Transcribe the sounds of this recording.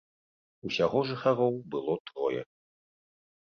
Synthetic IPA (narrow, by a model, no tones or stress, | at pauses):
usʲaɣɔʐɨxaɾɔwbɨlˠɔt̪ɾɔjɛ̰